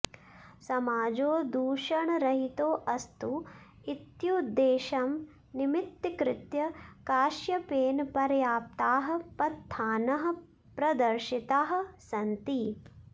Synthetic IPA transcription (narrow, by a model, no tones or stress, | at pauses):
sɐmaːd͡ʒoːd̪uːʃɐɳɾɐɦit̪oːʔɐst̪u | it̪jud̪ːeːʃɐm | nimit̪ːikɾɪt̪jɐkaːʃjɐpeːnpɐɾjaːp̚t̪aːɦɐ̆pɐt̪ʰːaːnɐɦɐ̆ | pɾɐd̪ɐɾʃit̪aːɦɐ̆sɐnt̪i